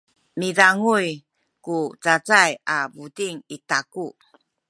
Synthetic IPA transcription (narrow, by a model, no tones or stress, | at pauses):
midaŋuj | kut͡sat͡sajabudiŋitaku